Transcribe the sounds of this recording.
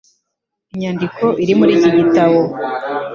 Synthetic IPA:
iɲaːndikʰo̞ʔiɾimuɾiːɟiɟitaβo̞

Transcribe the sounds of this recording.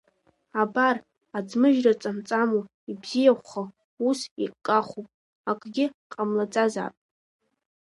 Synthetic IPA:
abar | ad͡zmɨʒᶣrat͡sʼamt͡sʼamu | ibzijaχʷχa | usiqʼkʼːaχʷupʼ | akʷʼɡʲɪqʼamlad͡zʼaza̰pʼ

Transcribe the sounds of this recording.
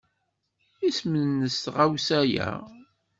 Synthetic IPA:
ismənnːəst̪ʁawsæjæ̰

